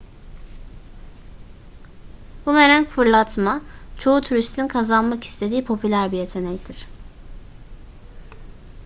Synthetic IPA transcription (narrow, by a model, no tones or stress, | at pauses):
bume̞ɾænfɯɾlˠat̪mat͡ʃʰo̞ut̪ʰuɾist̪ʰinkʰazanmaki̥st̪ʰe̞d̪iːpʰo̞pʰylʲæɾbije̞t̪ʰe̞nɛcd̪ʰiɾ̥